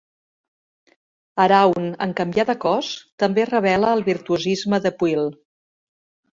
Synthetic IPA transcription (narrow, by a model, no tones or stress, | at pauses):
əɾawnə̰ŋkəmbjaðəkɔst̪əmberəβ̞ɛləːlˠβiɾt̪uuzizməðəpwilˠ